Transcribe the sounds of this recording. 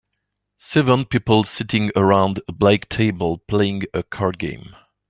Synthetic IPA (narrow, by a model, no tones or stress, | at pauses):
sɛvə̃npipl̩ˠsɪɾɪ̃ŋə˞ãʊ̃ndəblaɪktʰeɪbəl̩ˠpʰl̥eɪɪ̃ŋəkʰɑɹd̚ɡḛ̃ɪ̃m